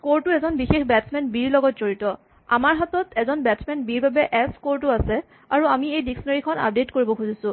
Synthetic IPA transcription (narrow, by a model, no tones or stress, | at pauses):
koɹtʊɛzɔnbixexbɛtsmɛnbiɹlɔɡɔt̚z̥oɹitɔ | a̰maɹɦatɔtɛzɔnbɛtsmɛnbiɹbabɛʔɛskoɹtʊasɛ | aɹuamiejdiksɔnaɹikʰɔna̰p̚detkoɹibɔkʰuzisʊ̃